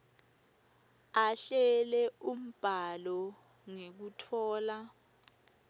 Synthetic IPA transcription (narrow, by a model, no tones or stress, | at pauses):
aɬɛlɛum̩b̥ʱalɔ | ŋek̬utʰɔːla